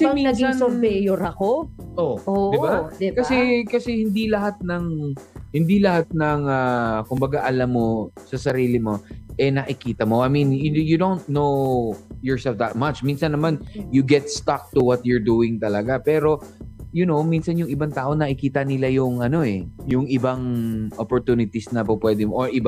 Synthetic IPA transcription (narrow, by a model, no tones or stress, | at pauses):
sɐminɐsɡɐŋnsʊɾvɛjoɾɐkoʔood̪ɪbad̪ɪkɐsɛkɐsɛhɪnd̪ilɐhat̪̚nɐŋhɪnd̪ilɐhat̪̚nɐŋakʊmbɐɡaʔɐlamːo̞sɐsɐɾiːlɪmo̞ʔɛnɐʔɪkiːt̪ɐmo̞ʔɐjmĩnjʊd̪ownt̪̚nowjɔɹsɛlfd̪ɐt̪̚mɐt͡ʃminsɐnːɐmanjʊɡɛt̪̚st̪ak̚t̪ʊwɐt̪̚jʊɹd̪uːɪŋt̪ɐlɐɡapɛːɾo̞ | jʊnowminsɐnjʊŋɪbaŋt̪aːʔonɐʔɪkiːt̪ɐnɪlajʊŋʔɐno̞ʔɛjʊŋɪbaŋʔopoɹt̪uːnɪt̪isnɐpʊpwɛd̪ɪmʔoɹʔɪba